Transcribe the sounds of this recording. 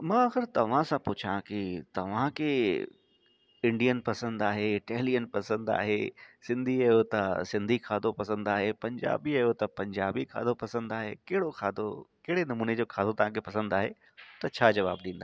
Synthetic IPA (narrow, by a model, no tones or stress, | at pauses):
mãːɐxəɾt̪ɐʋ̤ãsãpʊt͡ɕʰãkit̪ɐʋ̤ãkʰe | ɪ̃ɳɖijənpɐsə̃nd̪aːɦeɪʈɛːlijənpɐsə̃nd̪a̰ːɦḛsɪ̃nd̪ʱiɐjot̪ɐsɪ̃nd̪ʱikʰaːd̪ʱopɐsə̃nd̪aːɦepɐ̃ɲd͡ʑa̰ːbiɐjot̪ɐpɐ̃ɲd͡ʑaːbikʰa̰ːd̪ʱopɐsə̃nd̪aːɦḛkɐɦɪɽoxʰaːd̪ʱokɐɦɪɽenɐmuːned͡ʑoːkʰaːd̪ot̪ɐʋ̤ãkʰepɐsə̃nd̪aːɦe | t̪ɐt͡ɕʰaːd͡ʑɐʋa̰ːbɗĩːnd̪a